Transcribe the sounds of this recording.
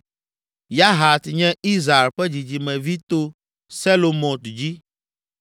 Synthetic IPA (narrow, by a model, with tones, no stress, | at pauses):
ja˦ɦa˨t̪ɲɛ̃˦i˦zɾa˨e˨lɸɛ˦d͡ʑi˨d͡ʑi˨mɛ̃˨vi˦t̪o˦ | sɛ˦lo˨mɔ̃˨t̪u˨d͡ʑi˦